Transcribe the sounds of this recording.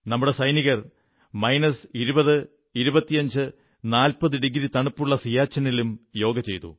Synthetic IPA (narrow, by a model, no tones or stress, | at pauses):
nɐmːuɽesɐjniɣɐr | mɐjnɐsiɾubɐðɨ | iɾubɐt̪ːijɐɲd͡ʑɨ | naːlpɐðɨɖiɡɾit̪ɐɳupːuɭːɐsijaːt͡ɕːɐnilumjo̞ːɡɐt͡ɕe̞jt̪ṵ